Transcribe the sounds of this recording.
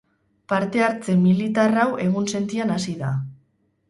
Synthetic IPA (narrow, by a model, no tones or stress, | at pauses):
paɾt̪e̞aɾt͡se̞milit̪arawe̞ɣ̞unse̞nt̪ianasiða